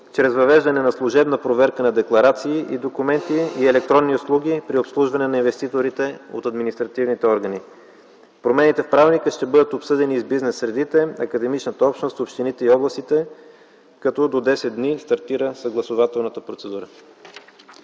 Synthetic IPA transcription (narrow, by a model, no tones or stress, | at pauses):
t͡ʃɾɛzvɐvɛʒd̪ɐnɛnɐslˠʊʒɛbnəpɾovɛɾkənɐd̪ɛklˠɐɾat̪siːʔid̪okumɛnt̪iːɛlɛk̚t̪ɾɔnːiʊslˠuɡʲipɾiopslˠuʒvɐnɛnɐinvɛst̪it̪oɾit̪ɛo̰t̪ɐd̪minist̪ɾɐt̪ivnit̪ɛɔɾɡəni | pɾomɛnit̪ɛfpɾavnikəʃt̪ɛbɤd̪ət̪opsɤd̪ɛnizbiznɛsːɾɛd̪it̪ɛɐ̰kəd̪ɛmit͡ʃnət̪əɔpʃt̪nost̪opʃt̪init̪ɛiɔblˠɐst̪it̪ɛ | kɐt̪ɔd̪od̪ɛsɛt̪̚d̪nist̪ɐɾt̪iɾəsəɡlˠɐsovat̪ɛlˠnət̪əpɾot̪sɛd̪uɾə